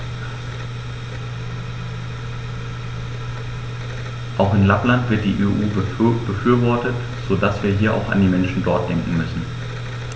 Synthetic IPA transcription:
ʔaʊxɪnlaplantv̥ɪɐt̚d̥ḭːʔeːʔuːb̥əfyːɐvɔɐtət | z̥odasv̥iːɐɦiːɐʔa̰ʊxa̰ndiːmɛnʃn̩dɔɐt̚d̥ɛŋkŋ̩mʏsn̩

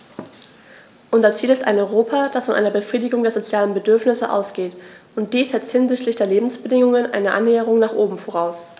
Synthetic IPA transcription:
ʔʊnzɐt͡siːlɪsta̰ɪnɔʏʁoːpʰad̥asfɔnʔa̰ɪnɐbəfʁ̥iːdɪɡʊŋdeːɐzot͡sjaːlənbədʏɐfnɪsəʔa̰ʊsɡ̥eːtʔʊnt̚d̥iːsz̥ɛt͡sthɪnzɪçtlɪçd̥eːɐleːbm̩sb̥ədɪŋʊŋənʔa̰ɪnəʔa̰nːeːəʁ̞ʊŋnaːχʔoːbm̩foʁ̞aʊs

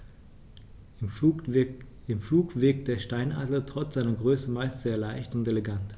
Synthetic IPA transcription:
ɪmfluːkv̥ɪɐk̚t̚d̥eːɐʃtaɪna̰ːdl̩tʁ̥ɔt͡sz̥aɪnɐɡʁøːsəmaɪstz̥eːɐlaɪçtʊnteleɡant

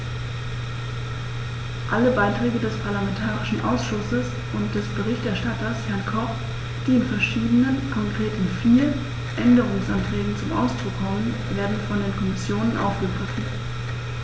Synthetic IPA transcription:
ʔaləbaɪtʁ̥ɛːɡədɛspʰaɐlamɛntʰaːʁɪʃn̩ʔa̰ʊsʃʊsəs | ʔʊnt̚d̥ɛsb̥əʁ̞ɪçtʔɛɐʃtatɐshɛɐnkʰɔχ | d̥iːɪnfɛɐʃiːdənənkʰɔŋkʁ̥eːtɪnfiːɐ | ʔɛndəʁ̞ʊŋsʔantʁ̥ɛːɡŋ̩t͡sʊmʔa̰ʊsd̥ʁʊkʰːɔmən | veːɐdn̩fɔndeːnkʰɔmɪsjoːnənʔa̰ʊfɡ̥əɡʁɪfn̩

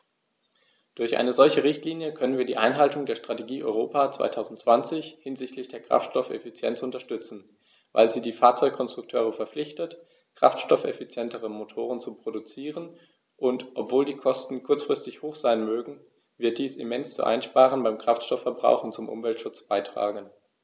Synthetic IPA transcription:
d̥ʊɐçʔa̰ɪnəzɔlçəʁɪçtliːnjəkʰœnənviːɐdiːʔaɪnɦaltʊŋdeːɐʃtʁ̥ateɡiːʔɔʏʁoːpaːt͡sv̥a̰ɪtʰaʊzn̩tt͡sv̥ant͡sɪçhɪnzɪçtʰlɪçd̥eːɐkʁ̥a̰ftʃtɔfɛ̰fit͡sjɛ̰nt͡sʔʊntɐʃtʏt͡sn̩ | va̰ɪlziːdiːfaːɐt͡sɔʏkkʰɔnstʁ̥ʊk̚tʰøːʁ̞əfɛɐflɪçtət | kʁ̥a̰ftʃtɔfɛ̰fit͡sjɛntəʁəmotʰoːʁ̞ənt͡supʁ̥odut͡siːʁ̞ən | ʔʊntʔɔpv̥oːldiːkʰɔstn̩kʰʊɐt͡sfʁ̥ɪstɪçhoːxz̥aɪnmøːɡŋ̩ | vɪɐt̚d̥iːsḭmɛnst͡sṵʔa̰ɪnʃpaːʁ̞ənbaɪmkʁ̥aftʃtɔfːɛɐbʁa̰ʊxʊnt͡sʊmʔʊ̰mvɛltʃʊt͡sb̥aɪtʁ̥a̰ːɡən

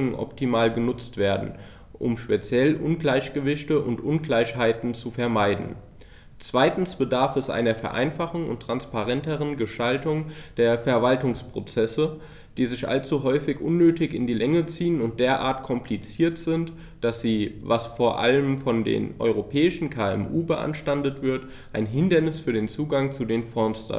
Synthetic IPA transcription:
ŋənʔɔ̰ptʰimaːlɡənʊt͡stv̥eːɐdn̩ | ʔʊ̰mʃpet͡sjɛlʔʊnɡlaɪçɡ̥əvɪçtəʔʊntʔʊnɡlaɪçhaɪtn̩t͡sufɛɐmaɪdn̩ | t͡sv̥aɪtn̩sb̥ədaɐfɛsʔa̰ɪnɐfɛɐʔa̰ɪnfaχʊn̩ʊ̰ntːʁ̥anspaʁ̞ɛntəʁ̞ənɡəʃtaltʊŋd̥eːɐfɛɐvaltʊŋspʁ̥ot͡sɛsə | d̥iːzɪçʔa̰lt͡suɦɔʏfɪçʔʊnːøːtɪçɪ̰ndiːlɛŋət͡siːənʊnt̚d̥eːɐʔa̰ːɐtkʰɔmplit͡siːɐtz̥ɪnt | d̥asz̥iːvasfoːɐʔa̰ləmfɔndḛːnʔɔ̰ʏʁ̞opʰɛːɪʃn̩kʰaːɛ̰mʔuːbəʔa̰nʃtandətv̥ɪɐt | ʔaɪnɦɪndɐnɪsfyːɐdeːnt͡suːɡaŋt͡sudeːnfɔɐnstɐ̰n

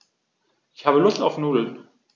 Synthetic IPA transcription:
ʔɪçhaːbəlʊstaʊfnuːdl̩n

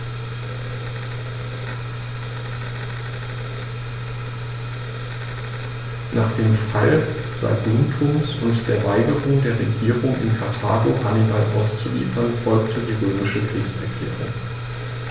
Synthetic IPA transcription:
nʔa̰ːχd̥eːmfal | z̥a̰ɪbʊmtʰuːmsʊntd̥eːɐvaɪɡəʁʊŋdeːɐʁeɡiːʁʊŋʔɪ̰nkʰaɐtʰa̰ːɡohanɪbalʔa̰ʊst͡sulḭːfɐnfɔlktʰədiːʁøːmɪʃəkʁ̥iːksʁɛɡḛːʁɪ̰

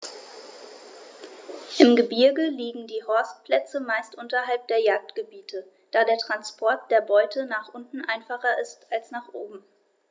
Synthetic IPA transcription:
ʔɪmɡəbɪɐɡəliːɡŋ̩diːɦɔɐst̚pʰl̥ɛt͡səmaɪstʔʊntɐɦalp̚d̥eːɐjaːk̚tɡ̥əbiːtʰə | d̥aːdeːɐtʁ̥anspʰɔɐt̚d̥eːɐbɔʏtʰənaːχʔʊntn̩ʔaɪnfaχɐʔɪstalsnaːχʔoːbm̩

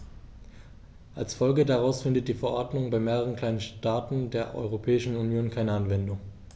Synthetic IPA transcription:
ʔalsfɔlɡədaʁaʊsfɪndət̚d̥iːfɛɐʔɔɐdnʊŋbaɪmeːʁəʁ̞ənkl̥aɪnəʃtaːtn̩deːɐʔɔ̰ʏʁopʰɛːɪʃn̩unjoːnkʰaɪnəanvɛndʊŋ

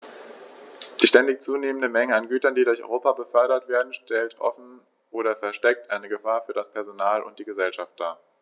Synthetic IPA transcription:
d̥iːʃtɛndɪçt͡suːneːməndəmɛŋəanɡyːtɐndiːdʊɐçɔ̰ʁoːpabəfœɐɾɐtv̥eːɐdn̩ʃtɛltʔɔ̰fn̩ | ʔoːɾɐfɛɐʃtɛk̚tʔaɪnəɡəfaːɐfyːɐɾaspʰɛɐzonaːlʔʊ̰nt̚d̥iːɡəzɛlʃaft̚d̥aː

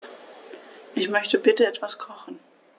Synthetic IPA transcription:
ʔɪçmœçtəbɪtəɛtv̥askʰɔχn̩

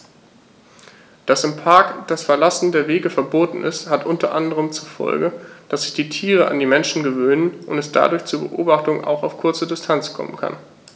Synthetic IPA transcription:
d̥asɪmpʰaɐkd̥asfɛɐlasn̩deːɐveːɡəfɛɐboːtn̩ʔɪ̰sthatʔʊntɐʔandəʁ̞əmt͡sufɔ̰lɡəd̥asz̥ɪçd̥iːtʰiːʁəʔa̰ndiːmɛnʃn̩ɡəvøːnənʔʊntɛsd̥a̰dʊɐçt͡suːɐbə̰ʔo̰ːbaχtʊŋa̰ʊxa̰ʊfkʰʊɐt͡sədɪstʰant͡skʰɔ̰mə̰nkʰa̰n

